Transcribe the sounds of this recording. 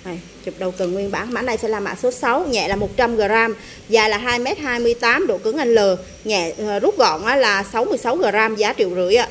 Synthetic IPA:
ʔa˨˩j | t͡ɕʊ˨˩k͡p̚ɗə˨˩wkə˨˩nŋwi˧ənɓaː˧˩nmaː˧˥nɗə˧jsɛ̰˧˥laː˨˩ma̰ː˧˨so˨˦sa˨˦wɲɛ̰˧˨laː˨˩mo˨˩t̚t͡ɕa˧mɣəː˨˩zaː˧m | zaː˨˩laː˨˩ɦaː˧jmɛ˦˥t̚haː˧jmɨ˧əjt̪aː˨˦mɗo̰˧˩˨kɨ˨˦əŋʔa˧jŋləː˨˩ | ɲɛ̰˧˨˩zu˦˥k͡p̚ɣɔ̰˧˨nʔaː˨˦˥laː˨˩sa˨˦wmɨ˧əjsa˨˦wɣəː˨˩ɾaː˧mzaː˨˦t͡ɕḭ˧˨əwzɨ̰˧˥əjʔa̰ː˨˦˥

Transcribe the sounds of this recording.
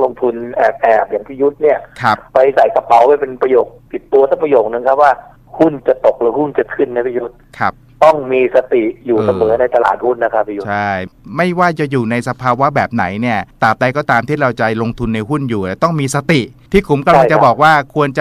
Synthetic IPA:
lo˧ŋt̪ʰu˧nʔɛː˨˩p̚ʔɛː˨˩p̚jaː˨˩ŋpʰa˦˧ju˦˥t̪̚ni˥˩ɐkʰɾa˦˥ppa˧jsa˨˩jka˧pa˨˩˦whaː˥˩jpe˧npɾa˧joː˨˩k̚p̪i˨˩t̪ːu˧ɐsa˦˥˩pʰɾa˧joː˨˩k̚nɯ˨˧˦ŋkʰp̚waː˥˩ | hu˥˩nt͡ɕa˨˩t̪o˨˩k̚lɯː˨˧˦hu˥˩nt͡ɕa˨˩kʰɯ˥˩nːa˧˦jpʰa˧ju˦˥t̪̚kʰa˦˥p̚t̪ɔ˥˩ŋmiː˧sa˧t̪i˨˩juː˨˩sa˧mɤː˩˦na˧jt̪a˧la̰ː˨˩t̪̚hu˥˩nːa˦˥kʰa˦˥pʰːa˦u˧˦t͡ɕʰa˥˩jma˥˩jwaː˥˩t͡ɕa˨˩juː˨˩na˧jsa˧pʰaː˧wa˦˥bɛː˨˩p̚na˩˦jni˥˩ɐt̪aː˨˩p̚da˧jkɔː˥˩t̪aː˧mt̪ʰiː˥˩ɾa˧wt͡ɕa˨˩lo˧ŋt̪ʰu˧nːa˧jɦu˥˩njuː˨˩t̪a˨˩t̪ɔ˥˩ŋmiː˧sa˧t̪i˨˩t̪ʰiː˥˩kʰu˩˦mka˧mla˧˩ŋt͡ɕa˨˧bɔː˨˩k̚waː˥˩kʰu˧ənt͡ɕa˨˩

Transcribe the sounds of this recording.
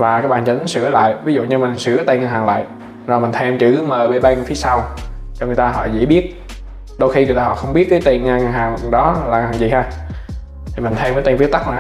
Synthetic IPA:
vaː˨˩kaː˦k̚ɓaː˨˩t͡ɕɛ˨˧˩ɗə˨˦nsɨ˧˩əla̰ː˧˨jvi˨˦zṵ˧˨ɲɨ˧mï˨˩ŋ̟sɨ˧˩ət̪a˧˩ŋaː˧nɦaː˨˩ŋla̰ː˧˨j | zo˨˩mï̟˨˩t̪ʰɛ˧mt͡ɕɨ˧˥məː˨˩jɓe˧˩ɓaː˧ŋ˨˩t̪ʰi˨˦sa˧w | t͡ɕɔ˧ŋɨ˨˩əjt̪aː˧ɦɔ̰˧˨zḭ˧˥ɓi˦˥ət̚ | ɗə˧wxi˧ŋɨ˨˩ət̪aː˧hɔ̰˧˨˩xə˧wŋ͡mɓi˦˥ət̚kaː˨˦jt̪i˨˩nŋa˧ɦaː˨˩ŋɗɔ˨˦laː˨˩aː˨˩ŋzi˨˩haː˧ | t̪ʰi˨˩mi˨˩ŋ̟t̪ʰɛ˧mə˨˦t̪i˨˩nfi˨˦ət̪a˦˥k̚na˨˩

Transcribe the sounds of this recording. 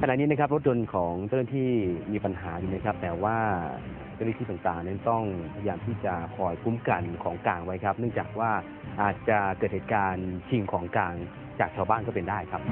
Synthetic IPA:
kʰa˧na˨t̪̚niː˦˥na˦˥kʰa˦˥p̚ɾo˦˥t̪̚jo˧nkʰɔː˩˦ŋt͡ɕa˥˩na˥˧t̪ʰiː˥˩miː˧pa˧nɦaː˩˦juː˨˩na˦˥jkʰp̚t̪ɛː˨˩waː˥˩˨ | t͡ɕa˥˩nːʰ˥˩iː˥˩a˨˩ŋt̪aː˨˩ŋna˦˥nt̪ɔ˥˩ŋpʰa˧jaː˧mt̪ʰiː˥˩t͡ɕa˨˩kʰɔː˧jkʰu˦˥mka˧nkʰɔː˩˦ŋkaː˧ŋwa˦˥jkʰa˦˥p̚nɯ˥˩ŋt͡ɕaː˨˩k̚waː˥˩ | ʔaː˨˩t̪̚t͡ɕa˨˩kɤː˨˩t̪̚heː˨˩t̪̚kaː˧nt͡ɕʰi˧ŋkʰɔː˩˦ŋkaː˧ŋ | t͡ɕaː˨˩k̚t͡ɕʰaː˧baː˥˩nkɔː˥˩pe˧ndaː˥˩jkʰa˦˥p̚

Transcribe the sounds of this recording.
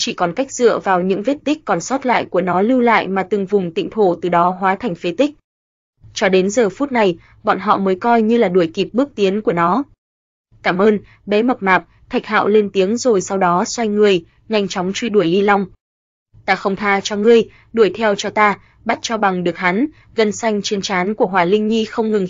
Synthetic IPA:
t͡ɕḭ˧˩kɔ˨˩nka˦˥jk̚z̥ɨ̰˧˨əvaː˨˩wɲɨ̰˧˥ŋve˦˥t̚t̪ï˦˥k̟̚kːɔ˨˩nsɔ˦˥t̚la̰ː˧˨jku˧˩ənɔ˨˦lɨ˧wla̰ː˧˨jmaː˨˩t̪ɨ˨˩ŋvʊ˨˩ŋ͡mt̪ḭ˧˨ŋt̪ʰo˧˩t̪ɨ˨˩ɗɔ˨˦ɦwaː˨˦t̪ʰa˨˩jŋ̟fe˨˦t̪ï˦˥k̟̚ | t͡ɕɔ˧ɗe˨˦nzəː˨˩fu˦˥t̚na˨˩j | ɓɔ̰˧˨nɦɔ̰˧˨məː˨˦jkɔ˧jɲɨ˧laː˨˩ɗu˧˩əjki˨˩p̚ɓɨ˦˥ək̚t̪i˨˦ənku˧˩ənɔ˨˦ | kaː˧˩mʔəː˧n | ɓɛ˨˦mə˨˩p̚maː˨˩p̚ | t̪ʰa˨˩jk̚hɦa̰ː˧˨wle˧nt̪i˨˦əŋzo˨˩jsa˧wɗɔ˨˦swa˧jŋŋɨ˨˩əj | ɲa˧jŋ̟t͡ɕɔ˨˦wŋ͡mt͡ɕwi˧ɗu˧˩əjli˧la˧wŋ͡m | t̪aː˧xə˧wŋ͡mt̪ʰaː˧t͡ɕɔ˧ŋɨ˧əj | ɗu˧˩əjt̪ʰɛ˧wt͡ɕɔ˧t̪aː˧ | ɓa˦˥t̚t͡ɕɔ˧ɓa˨˩ŋɗɨ˨˩ək̚ha˨˦n | ɣə˧˩nsa˧jŋ̟t͡ɕi˨˧ənt͡ɕaː˨˦nku˧˩əɦwaː˨˩lï˧ŋ̟ɲi˧xə˧wŋ͡mŋɨ˨˩ŋ

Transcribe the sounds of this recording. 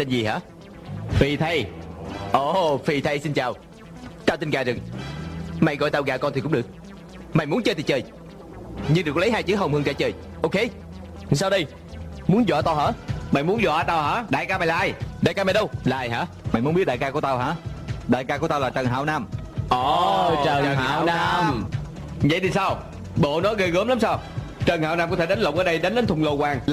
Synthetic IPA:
t̪e˧nzi˨˩ha̰ː˧˥ | fi˨˩t̪ʰə˧jʔo˨˩fi˨˩t̪ʰə˧jsi˧nt͡ɕaː˨˩w | t͡ɕaː˧wt̪i˧nkaː˧˩zɨ˨˩ŋ | ma̰˧˩˨jɣɔ̰˧˨jt̪aː˧˩wɣaː˧˩kɔ˧nt̪i˨kʊ̰˧˥ŋ͡mɗɨ˨˩ək̚ | ma˨˩jmu˨˦ənt͡ɕəː˧t̪i˨˩t͡ɕəː˨˩j | ɲɨ˧nɗɨ˨˩ə˩k̚lə˨˦jɦhaː˧jt͡ɕɨ˨˦ɦə˨˩wŋ͡mhɨ˧ŋt͡ɕaː˧˩˦t͡ɕəː˧˩j | ʔo˧wke˧˨ | saː˧wɗə˧j | mu˨˦ənzwɔ̰˧˨t̪aː˧wɦə̰ː˧˥ma̰˧˨jmu˦ənzɔ̰˧˨ʔa˧t̪aː˧whaː˧˥ɗa̰ː˧˨jka˧ma˨˩jlaː˨ʔa˧jɗaː˨˧˨jkaː˧m˨˩jɗə˧wlaː˨˩˨jha̰ː˧˥ | ma̰˨jmu˨˦˥nɓi˦˥t̚ɗaː˨kaː˧ku˧˩ət̪a˧wɦa̰ː˧˥ɗaː˧˨jkaː˧ku˧˩ət̪a˧wlaː˨˩t͡ɕə˨˩nɦa̰ː˧˨wnaː˧mʔɔ˨˩ə˨˩əː˨˧˨wa˧m | və̰˧˨jt̪i˨˩saː˧w | ɓo̰˧˨nɔ˨˦ɣə˧ɣəː˨˦mla˨˦msaː˧wt͡ɕə˨˩nhaː˧˦wnaː˧mkɔ˦˥t̪ʰe˧˩ɗə˨˦nlə˨wŋ͡mʔəː˧˩ɗə˧jɗə˨˦nɗə˨˦nt̪ʰʊ˧˩ŋ͡mlo˧kwaː˧˩ŋl

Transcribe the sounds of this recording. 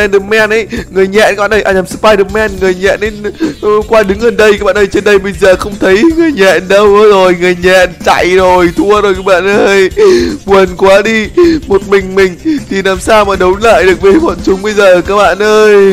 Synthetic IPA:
ɛ˧nɗɨ˨˩mɛ˧nʔə˧˦jŋɨ˨˩əjɲɛ̰˧˨nka˦˥ɓaː˧˨ʔə˧jʔaː˧˩˨aː˨˩sɨ̥˧˥paː˧jɗɨ˧˩mɛ˧nŋɨ˨˩əjɲɛ̰˧˨nʔə˨˦jkwaː˧ɗɨ˨˦ŋɣə˨˩nɗə˧jaː˧˦˥ɓa̰ː˧˨nʔəː˧jt͡ɕe˧nɗə˧jɓə˧jzəː˨˩xə˧wŋ͡mt̪ʰə˨˦jŋɨ˨˩əjɲɛ̰˧˨nɗə˧wzo˨˩jŋɨ˨˩əjɲɛ̰˧˨nt͡ɕa̰˧˨jzo˨˩jt̪ʰu˧əzo˨˩jkaː˨˦˥ɓa̰ː˧˨nʔəː˧jɓwə˨˩nkwaː˨˦ɗi˧mo˨˩t̚mï˨˩ŋ̟mï˨˩ŋ̟t̪ʰi˨˩laː˨˩msaː˧wmaː˨˩ɗə˨˦wnla̰ː˧˨jɗɨ˨˩ək̚ɓe˨˩˦mɔ̰˧˨nt͡ɕʊ˨˦ŋ͡mɓə˧jzəː˨˩kaː˦˥k̚ɓa̰ː˧˨nʔəː˧j

